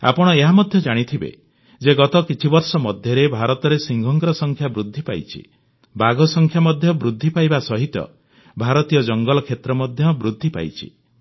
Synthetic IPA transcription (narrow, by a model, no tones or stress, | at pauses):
a̰pɔɽ̃ɔeɦamɔd̪ʱjɔd͡ʒaɽ̃it̪ʰibḛ | d͡ʒeɡɔt̪ɔkit͡ʃʰibɔɾsɔmɔd̪ʱjɔɾebʱaɾɔt̪ɔɾesiŋɡʱɔŋɡɾɔsɔŋkʰjabɾud̪ʱːipa̰jt͡ʃʰḭ | baɡɔsɔŋkʰjamɔd̪ʱjɔbɾud̪ʱːipajbasɔɦit̪ɔ̰ | bʱaɾɔt̪ijɔd͡ʒɔŋɡɔlɔkʰet̪ɾɔmɔd̪ʱjɔbɾud̪ʱːipa̰jt͡ʃʰḭ